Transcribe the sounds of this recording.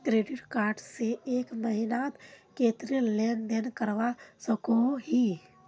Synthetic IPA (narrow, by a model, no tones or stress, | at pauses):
kɾeːɖɪʈkaːɾʈseeːkməɦɪnaːt̪keːt̪ɾileːnd̪enkəɾʋasəkoɦi